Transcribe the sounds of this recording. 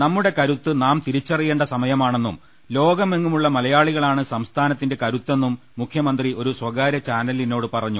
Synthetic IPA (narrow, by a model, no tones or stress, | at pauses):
nɐmːuɽe̞kɐɾut̪ːɨnaːmt̪iɾit͡ɕːɐrijːeːɳɖɐsɐmɐjɐmaːɳe̞nːṵm | lo̞ːɡɐmːeŋːumuɭːɐmɐlɐjaːɭiɣɐɭaːɳɨsɐmst̪ʰaːnɐt̪ːinde̞kɐɾut̪ːe̞nːumːukʰjɐmɐnd̪riʔo̞ɾuswɐɡaːɾɐt͡ɕaːnɐlino̞ːɽɨpɐrɐɲːu